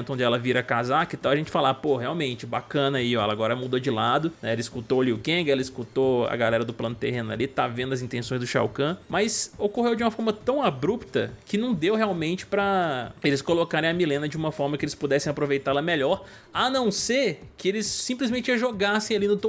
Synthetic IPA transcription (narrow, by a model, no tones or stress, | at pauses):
nt̪ʊõnd͡ʒɪɛlɐviɾɐkazakɪt̪ãw̃ɐʒẽt͡ʃɪ̥falapoheawmẽt͡ʃɪbakɐ̃nɐaiɔɛ̰lɐaɡɔɾɐmud̪od͡ʒɪlad̪ʊnɛɛlɐɪskut̪oliʊkẽɡɛlɐiskut̪oɐ̰ɡalɛɾɐd̪ʊplɐ̃nʊt̪eɦẽnʊɐ̰lit̪avẽnd̪ʊɐzĩnt̪ẽsõj̃zd̪ʊʃa̰wkɐ̃mɐsokoɦewd͡ʒɪũmɐfɔɾmɐt̪ɐ̃w̃abɾupt̪ɐkɪnɐ̃w̃d̪ewɦeawmẽnt͡ʃɪ̥pɾɐelɪskolokaɾẽj̃ɐmilẽnɐd͡ʒɪũmɐfɔɾmɐkɪelɪspud̪ɛsẽj̃apɾovejt̪aɾɛlɐmeʎɔɾ | anɐ̃w̃seɾkɪelɪsːĩmplɪzmẽnt͡ʃɪɐʒoɡasẽj̃alinʊt̪o